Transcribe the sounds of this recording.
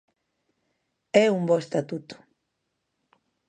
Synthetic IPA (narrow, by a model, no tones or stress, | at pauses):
ɛumbɔest̪at̪ut̪u̥